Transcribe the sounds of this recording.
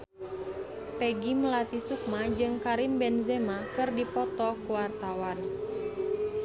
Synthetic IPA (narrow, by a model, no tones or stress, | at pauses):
pɛɡiməlat̪isuk̚mad͡ʒɨŋkaɾimbɛnzɛmakɨrdipɔt̪ɔkuwart̪awan